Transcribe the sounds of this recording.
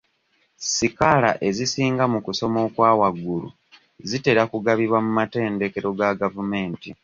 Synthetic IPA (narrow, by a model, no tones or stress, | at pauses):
sikala̰ʔe̞zisiːŋɡamukuso̞mo̞ːkwaːwaɡulṵ | zite̞ɾakuɡaβiβwamumate̞ːndeke̞ɾo̞ɡaɡavume̞ːnti